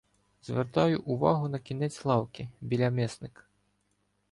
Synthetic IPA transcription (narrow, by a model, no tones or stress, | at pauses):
zʲvʲɛrt̪ajuʔuva̰ɣunɐkʲinʲɛt͡sʲlˠawkʲibʲilʲamʲɛsnɨk